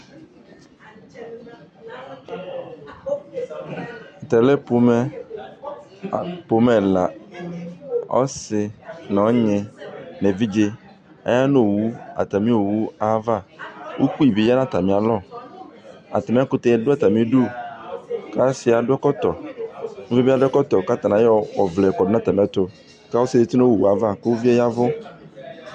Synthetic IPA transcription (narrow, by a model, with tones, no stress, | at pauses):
a˨t̪ɛ˨lɛ˦po˨mɛ˦˨ | po˨mɛ˨la˨ | ɔ̰˦sɪ˧nɔ̃˨˦ɲɛ̃˨nɛ˨vi˦d͡ʒe˧ | a̰˦ja˦no˦˨wu˦a̰˨t̪a˨mĩ˦o˨wu˦a˦va˦˨wʔṵ˦ku˦i˨bi˨˦ja˦nã˦t̪a˨mĩ˨a˨lɔ˦˨ | a̰˨t̪a˨mĩ˦a˦kʊ˦t̪e˨˦ɛ˨dʊ˦a˦˨t̪a˨mĩ˦ɖu˦ | ka˦sɪ˨˦a˨ɖʊ˦ɛ˦kɔ˦t̪ɔ˨nũ˦vi˦bi˦a˦dʊ˦ɛ˦kɔ˦t̪ɔ˨ka˦t̪a˨nã˨jɔ˦wɔ˨vlɛ˨kɔ˨dʊ˦nã˦t̪a˨mĩ˨˦a˦t̪o˨ | ka˦o˦sɪ˦de˨t̪i˦no˦˨wu˨a˨va˦ke˦wo˦vi˦ɛ˦ja˦vʊ˦